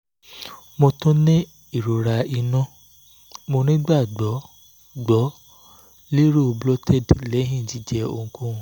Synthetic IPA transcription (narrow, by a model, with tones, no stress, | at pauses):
mo˧tõ˦nĩ˦ | i˦˨ɾo˨ɾa˧i˧nɔ̃˦˨ | mo˧nĩ˦ɡ͡ba˦˨ɡ͡bɔ˨˦ | ɡ͡bɔ˨˦ | li˦ɾo˦o˧blɔ˦tɛ˦˨dlɛ˨˦ɦĩ˦˨ti˨˦d͡ʒɛ˧o̰˧ŋ̩˧kũ˦˧˨